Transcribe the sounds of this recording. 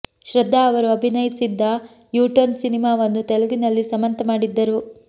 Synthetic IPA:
ʃɾɐd̪ʱːaːʋɐɾuɐbʱinɐjsid̪ːɐ | juːʈɐnsinimaːʋɐnːut̪elɐɡinɐlːisɐmɐnt̪ɐmaːɽid̪ːɐɾu

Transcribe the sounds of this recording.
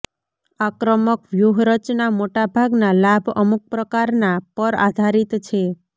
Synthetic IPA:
akɾəməkʋjuɦɾət͡ʃnamoʈabʱaɡnalabʱə̰muk̚pɾəkaɾnapəɾa̰d̪ʱaɾit̪t͡ʃʰe

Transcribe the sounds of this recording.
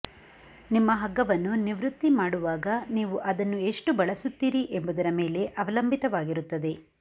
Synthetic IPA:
nimːɐɦɐɡːɐʋɐnːuniʋɾut̪ːimaːɽuʋaːɡɐniːʋuʔɐd̪ɐnːue̞ʂʈubɐɭɐsut̪ːiːɾiʔe̞mbud̪ɐɾɐme̞ːle̞ʔɐʋɐlɐmbʱit̪ɐʋaːɡiɾut̪ːɐd̪e̞

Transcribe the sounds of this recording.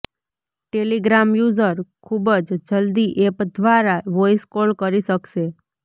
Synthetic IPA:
ʈeliɡɾamjuzəɾkʰubəd͡ʒd͡ʒəld̪iʔepd̪ʋaɾaʋojskolkəɾiʃəkʃe

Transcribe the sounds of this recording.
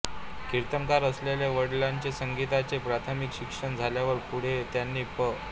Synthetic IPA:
kiɾt̪əŋkaɾəsleljaʋəɽlaɲt͡ɕesəŋɡit̪at͡sepɾat̪ʰəmikɕikʂəɳd͡zʱaljaʋəɾpuɽ̤et̪janːiːpə

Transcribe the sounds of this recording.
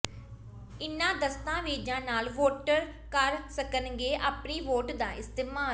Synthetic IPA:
ɪnːãːd̪əst̪ãːʋeːd͡ʒãːnaːlʋoːʈəɾkəɾsəkənɡeːʔaːpniːʋoːʈd̪ãːʔɪst̪ɪːmaː

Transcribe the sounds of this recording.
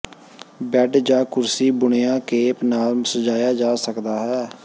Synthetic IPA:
bɛɖd͡ʒãːkʊɾsiːbʊɳɪjãːkeːpnaːlsəd͡ʒaːjaːd͡ʒaːsəkd̪aːɦɛː

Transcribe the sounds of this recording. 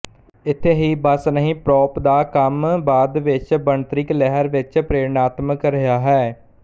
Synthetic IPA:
ɪt̪ʰːeːɦiːbəsnəɦĩːpɾɔːpd̪aːkəmbaːd̪ʋɪt͡ʃbəɳt̪ɾɪklɛɦəɾʋɪt͡ʃpɾeːɾnaːt̪məkɾəɦjaːɦɛː

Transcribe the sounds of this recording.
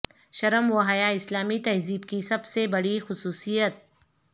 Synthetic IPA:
ʃɐɾəmwɐɦajaɪslaːmit̪ɐɦziːb̚kisɐbsebɐɽixʊsuːsijət̪̚

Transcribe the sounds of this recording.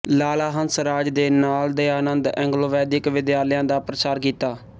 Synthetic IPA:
laːlaːɦənsɾaːd͡ʒd̪eːnaːld̪eːaːnənd̪ɛ̃ːŋɡloːʋɛːd̪ɪkʋɪd̪ɪjaːljãːd̪aːpɾət͡ʃaːɾkiːt̪aː

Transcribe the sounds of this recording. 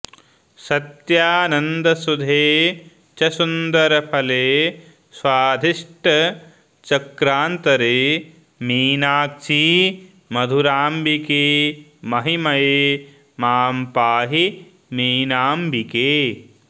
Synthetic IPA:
sɐt̪jaːnɐnd̪ɐsud̪ʱeː | t͡ʃɐsund̪ɐɾɐpʰɐleː | swaːd̪ʱiʂʈɐ | t͡ʃɐkɾaːnt̪ɐɾeː | miːnaːk̚t͡ʃi | mɐd̪ʱuɾaːmbikeːmɐɦimɐjeː | maːmpaːɦi | miːnaːmbikeː

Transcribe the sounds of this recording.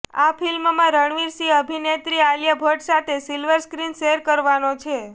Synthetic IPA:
afilmmãɾəɳʋiɾsiəbʱinet̪ɾialjabʱoʈsat̪ʰesilʋəɾskɾinʃeɦɾkəɾʋanot͡ʃʰe

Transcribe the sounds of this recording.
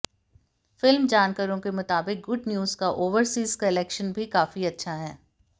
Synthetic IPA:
fɪlmd͡ʒaːnkəɾõkemʊt̪aːbɪk̚ɡʊɖnjuːzkaʔoːʋəɾsiːzkɐɪlɛːkʃənbʱikaːfiɐtːʃʰaɦɛː

